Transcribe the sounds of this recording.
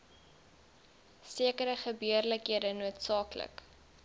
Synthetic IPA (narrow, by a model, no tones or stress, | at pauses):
siəkəɾəχəbyərləkɦiədənuətsɑːklə̰k